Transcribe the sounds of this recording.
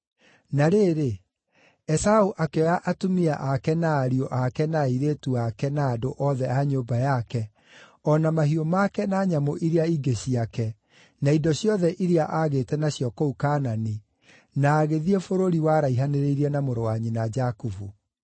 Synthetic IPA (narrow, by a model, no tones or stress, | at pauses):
naɾeːɾe | ɛsauʔakɛɔjaʔatomiaʔakɛnaːɾioʔakɛnaiɾetuakɛnaːdoʔɔðɛaɲoːbajakɛ | ɔnamahiomakɛnaɲamoʔiɾeaiɡeɕiakɛ | naindɔɕjɔðɛʔiɾeaʔaɣetɛnaɕiɔkɔukaːnani | naːɣeðiefoɾoɾiwaɾaiɦaneɾeiɾiɛnamoɾowaɲinad͡ʒakuvu